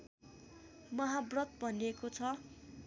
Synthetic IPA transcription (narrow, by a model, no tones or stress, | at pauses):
mʌɦabrʌt̪̚bʱʌnekot͡sʰʌ